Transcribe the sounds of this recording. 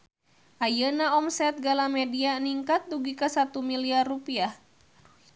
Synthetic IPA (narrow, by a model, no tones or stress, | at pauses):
ʔajənaɔmsɛt̪̚ɡalamɛdianiŋkat̪̚duɡikasat̪umiliarːupiah